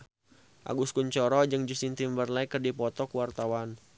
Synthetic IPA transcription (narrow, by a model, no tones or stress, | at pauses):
ʔa̰ɡuskuɲt͡ʃɔɾɔd͡ʒɨŋd͡ʒustint̪imbərlaikərdipɔt̪ɔkuwart̪awan